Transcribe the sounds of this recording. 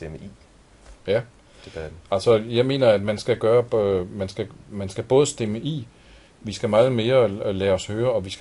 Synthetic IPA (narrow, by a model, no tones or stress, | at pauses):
d̥eməʔi | jæ | d̥eb̥æ̥ælsɒjɑ̈ɪme̝̰ːnɐæd̥mænsɡ̥æɡ̥ɶːɐmænsɡ̥æmænsɡ̥æb̥ɔ̽ːðˠəsd̥eməʔi | ʋisɡ̥æmɑ̈ːð̞̩ˠme̝ːɐlɛːɒ̽shøːɐɒ̽ʋisɡ̥